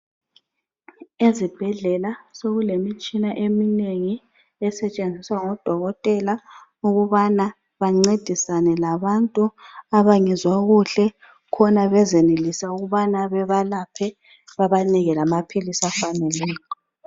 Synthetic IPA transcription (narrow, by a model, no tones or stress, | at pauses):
ezib̥ʱɛɮɛlasoɣulemit͡ʃʼinaʔemineŋi | ɛsɛt͡ʃʼend͡zʱiswaŋɔd̥ʱɔɣɔtʼɛlauɣuβana | βaŋ͡ǀed̥ʱisanɛlaβantʼuaβaŋɛzwaɣuɬɛ | kʰɔnaβɛzenelisauɣuβanaβɛβalapʰɛ | βaβaniɣɛlamapʰilisafanɛlɛːlɔ